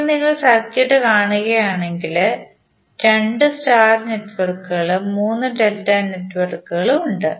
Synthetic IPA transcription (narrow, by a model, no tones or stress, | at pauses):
niŋːɐɭsɐɾkːijiʈːɨkaːɳuɣɐjaːɳe̞ŋɡil | ɾe̞ɳɖɨstaːrne̞ʈːuʋɐrkːuɣɐɭɨmuːnːɨɖeldɐneʈːuʋɐrkːuɣɐɭuɳɖɨ